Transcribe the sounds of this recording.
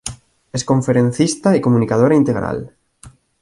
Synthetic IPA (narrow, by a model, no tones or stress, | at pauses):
eskoɱfeɾẽn̟θist̪aekomũnikað̞oɾaint̪eɣ̞ɾa̰l